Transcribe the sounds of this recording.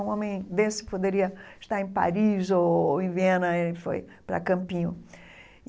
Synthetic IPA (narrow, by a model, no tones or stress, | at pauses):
ũõmẽj̃d̪esɪ̥pod̪eɾiɐɪʃt̪aɾẽj̃pa̰ɾizoẽj̃vẽnɐeɪfo̰jpɾɐ̰kɐ̃mpĩɲʊ